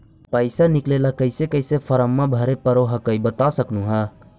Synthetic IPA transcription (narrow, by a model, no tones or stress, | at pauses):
pəɪsanɪklelakəɪsekəjsepʰəɾəmːãbʱəɾepəɾoɦəkəibət̪asəknuɦə